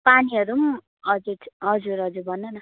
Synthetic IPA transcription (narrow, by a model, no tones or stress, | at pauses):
paniʌɾum | ʌd͡zuʈʰɦʌd͡zuɾɦʌd͡zuɾbʱʌnːonʌ